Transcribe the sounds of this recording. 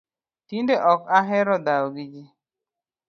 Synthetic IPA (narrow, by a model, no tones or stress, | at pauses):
tindeʔɔkaɦɛɾɔdaɔɡid͡ʒi